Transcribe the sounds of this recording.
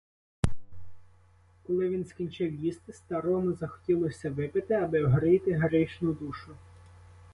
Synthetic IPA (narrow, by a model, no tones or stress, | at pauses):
kɔlˠɪʋʲinskʲinʲt͡ʃɪwjist̪ɪst̪ɐɾɔmʊzɐxɔ̥tʲilˠɔsʲɐʋɪpɪt̪ɪɐbɪwɦɾɪjt̪ɪɦɾɪʃnʊd̪uʃʊ